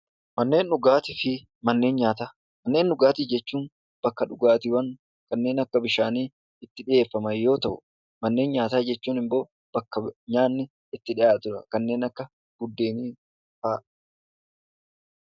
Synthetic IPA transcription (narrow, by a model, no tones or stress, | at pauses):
mɐnːe̞ːnᶑʊɡaːt̪ɪfɪ | mɐnːe̞ːnɲaːt̪aː | mɐnːe̞ːnːʊɡaːt̪ɪd͡ʒɛt͡ʃːuːn | b̥ɐkːɐᶑʊɡaːt̪ɪwɐn | kɐnːe̞ːnɐkːɐbɪʃaːniː | ɪt̪ːɪᶑɪje̞ːfːɐmɐjːo̞ːt̪ɐʔʊ̥̰ | mɐnːe̞ːnɲaːt̪aːd͡ʒɛt͡ʃːuːnɪmbo̞ː | b̥ɐkːɐɲaːnːɪ | ɪt̪ːɪᶑɪʔaːt̪ʊɾɐkɐnːe̞ːnɐkːɐ | ɡ̥ʊd̪ːe̞ːniː | faːʔ